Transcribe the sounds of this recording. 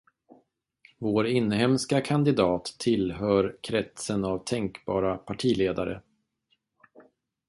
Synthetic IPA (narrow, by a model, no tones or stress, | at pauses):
voːɾɪnːhɛmskakʰand̪ɪd̪ɑːt̪ʰːɪlɦœːɾkʰɾɛt̪sənavt̪ʰɛŋkbɑ̰ːɾapʰaʈʰiːleːd̪aɾə̰